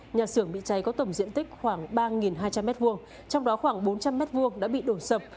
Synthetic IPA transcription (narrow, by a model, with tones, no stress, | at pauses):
ɲaː˨˩sɨ˧˩əŋɓḭ˧˨t͡ɕa˨˦jkɔ˨˦t̪ə˧˩wŋ͡mzḭ˧˨ənt̪ï˦˥k̟̚xwaː˧˩ŋɓaː˧ŋi˨˩nɦaː˧jt͡ɕa˧mːɛ˦˥t̚vu˧əŋ | t͡ɕɔ˧wŋ͡mɗɔ˨˦xwaː˧˩ŋɓo˨˦nt͡ɕa˧mːɛ˦˥t̚vu˧əŋɗa̰ː˧˥ɓḭ˧˨ɗo˧˩nsə˨˩p̚